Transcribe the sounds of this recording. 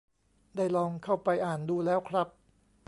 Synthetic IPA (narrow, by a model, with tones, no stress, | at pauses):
daː˥˩jlɔː˧ŋkʰa˥˩wpa˧jʔaː˨˩nduː˧lɛː˦˥wkʰɾa˦˥p̚